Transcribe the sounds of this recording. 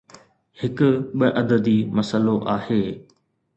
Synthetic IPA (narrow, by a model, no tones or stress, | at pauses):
hɪkʊ̆ɓəʔɐd̪əd̪imɐsəloʔaːheː